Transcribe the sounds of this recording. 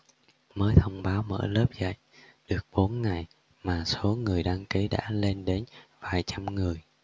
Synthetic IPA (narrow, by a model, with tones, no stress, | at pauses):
məː˨˦jt̪ʰə˧wŋ͡mɓaː˨˦wmə̰ː˧˥ləː˦˥p̚zə̰˧˨j | ɗɨ˨˩ək̚ɓo˨˦nŋa˨˩j | maː˨˩so˨˦ŋɨ˨˩əjɗaː˧ŋki˨˦ɗa̰ː˧˥le˧nɗe˨˦nvaː˨˩jt͡ɕa˧mŋɨ˨˩əj